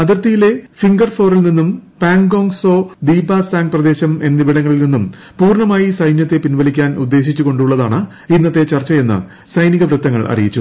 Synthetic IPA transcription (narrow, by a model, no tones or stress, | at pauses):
ɐðirt̪ijile̞fiŋɡɐrfo̞ːɾɐlninːumpaːŋɡo̞ːŋso̞ːd̪iːbaːsaːŋɡ̚prɐd̪e̞ːɕɐme̞nːibiɽɐŋːɐɭilninːum | puːrɳɐmaːjisɐjnjɐt̪ːe̞pinʋɐlikʲːaːnud̪ːe̞ːɕit͡ɕːuɣo̞ɳɖuɭːɐðaːɳɨ | inːɐt̪ːe̞t͡ɕɐrt͡ɕːɐe̞nːɨ̰ | sɐjniɣɐʋrɨt̪ːɐŋːɐɭʔɐ̰rḭjit͡ɕːu